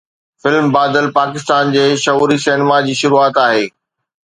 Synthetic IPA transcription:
fɪlmbaːd̪əlpaːkɪst̪aːnd͡ʑeːʃɐɦuːɾisenɪmad͡ʑiːʃʊɾuaːt̪aːɦeː

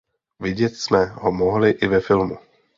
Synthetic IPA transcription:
vɪɟɛt̪smɛɦomoɦlɪʔɪvɛfɪlmu

